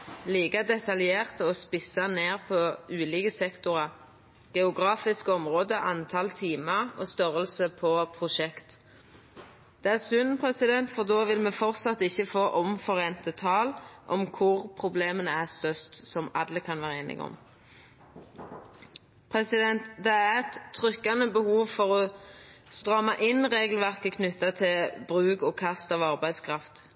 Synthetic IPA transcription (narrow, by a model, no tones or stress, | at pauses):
liːkɑd̪ɛt̪ɑljeːʁt̪ɔːspɪsɑneːʁpʰɔʉːliːkəsɛkt̪ʊʁɑ | ɡ̥ɛʊɡʁɑːfɪskəɔmʁoːd̪əʔɑnt̪ʰɑlt̪ʰiːmɑʁo̰ːst̪œʁəlsəpʰɔpʰʁʊʃɛkt̪ | d̪̥ɛæsʉnnpʰʁɛsɪd̪ɛnt̪fɔʁd̪oːʋɪlmeːfɔʁt̪sɑt̪ːɪçːəfoːʔɔmfɔʁeːnt̪ət̪ʰɑːlʔɔmkʰʊʁpʰʁʊbleːmənəæʁst̪œst̪sɔmɑ̰d̪ːəkʰɑnʋæːʁeːnɪ̰ɡ̰ɔ̰m | pʰʁɛsɪd̪ɛnt̪d̪ɛæʁɛt̪ʰːʁʏkːɑnəbəhuːʋfɔʁɔ | st̪ʁɑːmɑʔɪnʁeːɡəl̩ʋæʁkəkʰnʏt̪ːɑt̪ʰɪlbʁʉːɡɔkʰɑst̪ɑːʋɑʁbæɪskʰʁɑft̪